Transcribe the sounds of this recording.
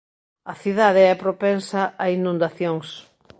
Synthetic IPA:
ɐθiðaðeɛpɾopɛnsɐainũnd̪aθjoŋs

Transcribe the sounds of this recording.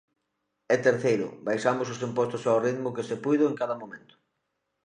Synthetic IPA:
ɛt̪eɾθejɾʊ̰bajʃamʊsʊs̬impɔst̪ʊsawrit̪mʊkesepujðʊeŋkaðɐmomẽnt̪ʊ̥

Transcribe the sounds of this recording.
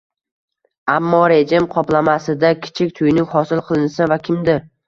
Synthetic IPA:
amːɒɾe̞d͡ʒɪmqʰɒplamasɪd̪akʲʰɪ̥t͡ʃʰɪk̚ʲt̪ʰʊjnɪŋhɒsɪlˠqʰɨlˠɪnsavakʲʰɪmd̪ɪɾ

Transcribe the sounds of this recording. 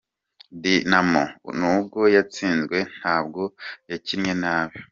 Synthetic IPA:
dinamo̰nubɡo̞jat͡siːnzɡwe̞n̥haːbɡo̞jaciɾɲe̞naːβjo

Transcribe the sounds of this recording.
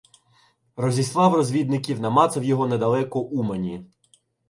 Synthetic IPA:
rɔzʲislˠɑwrɔzʲʋʲid̪nɪkʲiwnɐmɑt̪sɐwjɔɦɔned̪ɐlˠɛkɔʔumɐnʲi

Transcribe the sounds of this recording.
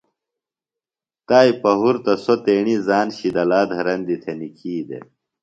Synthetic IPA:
t̪aːipɐɦuɾt̪ɐsot̪eːɳizaːnɕid̪ɐlaːd̪ɦɐɾɐnd̪it̪ʰenikʰiːd̪ḛ

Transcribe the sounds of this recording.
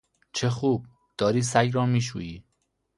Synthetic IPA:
t͡ʃʰexuːb̚ | d̪̥ɒːɾiːsæɡɾɒːmiːʃ̬ṵːjiː

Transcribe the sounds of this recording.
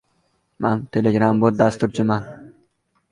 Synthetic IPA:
mant̪ʰeleɡɾambot̪̚d̪ast̪uɾt͡ʃʰɪman

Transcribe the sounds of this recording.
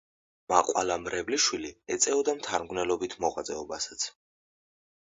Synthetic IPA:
maqʼwa̰lamɾɛvliʃwiliɛt̪sʼɛɔd̪amt̪ʰaɾmɡnɛlɔbit̪ʰmɔʁat̪zʼɛɔbasḁt̪sʰ

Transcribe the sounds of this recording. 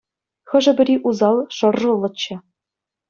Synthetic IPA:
xɤ̆ʐɘ̆bʲɘ̆ɾʲiʔuzɑlˠʂɤ̆rːɤ̆lˠːɤ̆t͡ɕːɘ̆

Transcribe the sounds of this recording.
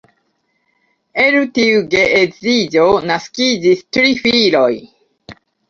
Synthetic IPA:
eɾutiuɡeʔezid͡ʒo̞naskid͡ʒistɾifilo̞j

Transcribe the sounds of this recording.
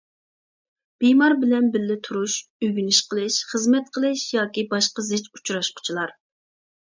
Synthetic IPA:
b̥ijmɑɾbɪlɛnbɪlːɪt̪ʰuɾuʃyɡʲynɪʃqʰəlˠɨʃχəzmɛt̪̚qʰəlˠɨʃjɑːkʲibɑʃqəzɪt͡ʃu̥t͡ʃɾɑʃqʰʊ̥t͡ʃʰilˠɑɾ

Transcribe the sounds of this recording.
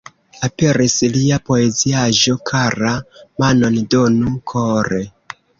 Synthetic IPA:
ape̞ɾisliapo̞e̞ziaʒo̞kʰaɾamano̞ndonukʰoɾe

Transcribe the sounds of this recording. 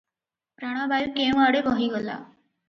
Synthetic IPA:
pɾaɽ̃abajkemaɽekɔɦiɡɔla̰

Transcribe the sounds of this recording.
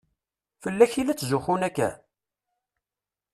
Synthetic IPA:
fəlːæçilæt͡sːzʊxunækːæ̰

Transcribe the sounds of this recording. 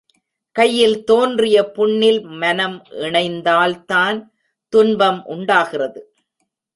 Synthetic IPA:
kɐjːɪlt̪oːndrɪjɐpʊɳːɪlmɐnɐmʔɪɳɐɪnd̪aːlt̪aːn | t̪ʊnbɐmʔʊɳɖaːɣɪrɐðɯ

